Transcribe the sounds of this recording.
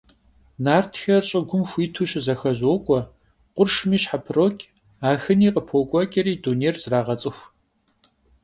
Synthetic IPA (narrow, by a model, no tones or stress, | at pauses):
naːrtʰxɐrɕʼɪɡʷʊmxʷiːtʰuːɕɪzɐxɐʑoːkʷʼɔ | qʷʊrʂmiːɕħapʰroːkʲʼ | aːxɨniːqʼəpʰoːkʷʼɔkʼɐɾiːdunejrz̥raːʁɐt͡sʼɨxʷ